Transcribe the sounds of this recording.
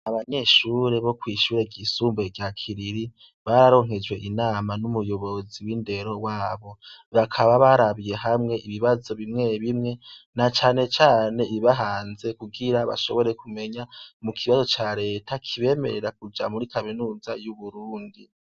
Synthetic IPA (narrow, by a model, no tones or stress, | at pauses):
aβaɲe̞ʃuɾe̞βo̞kwiːʃuːɾeɟisuːmbe̞ɡjakʰiɾiɾi | βaɾaɾo̞ŋɦe̞d͡ʒwe̞ʔinaːmanumujo̞βo̞ziwinde̞ɾo̞waːβo̞βakʰaβaβaɾaβije̞ɦamŋe̞ʔiβiβazo̞βimŋe̞βimŋe̞nat͡ʃaːne̞t͡ʃaːne̞iβaɦaːnze̞kuɡiɾaβa̰ʃo̞̰βo̞ɾe̞kume̞ɲamukʰiβazo̞t͡ʃaɾe̞ːtakʰiβe̞ːme̞̰ɾe̞ɾakud͡ʒamuɾikaminuːzajuβuɾuːndi